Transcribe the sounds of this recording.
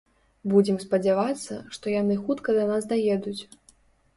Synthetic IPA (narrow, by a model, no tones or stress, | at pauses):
bud͡zʲɛmspɐd͡zʲavat̪sːɐ̰ʂt̪ɔjanɨxut̪kɐd̪ɐnasd̪ajɛd̪ut͡sʲ